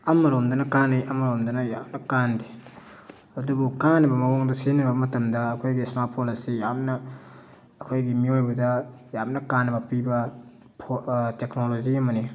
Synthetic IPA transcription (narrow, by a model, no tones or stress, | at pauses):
ɐmɐɾomdɐnɐkanijʔɐmɐɾomdɐnɐjap̚nɐkandi | ɐdubukanːɐbɐmɐwɔŋdɐsinɐbɐmɐtɐmdɐːkʰojɡismapʰolasijap̚nɐː | kʰojɡimiojbudɐjap̚nɐkanːɐbɐpibɐ | pʰoteknoloziɐmɐni